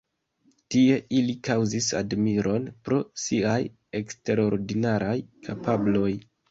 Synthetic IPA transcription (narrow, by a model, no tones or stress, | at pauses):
tie̞ʔilikawzisa̰dmiɾʔo̞npɾo̞siaj | e̞kste̞ɾo̞ɾdinaɾajkʰapʰablo̞j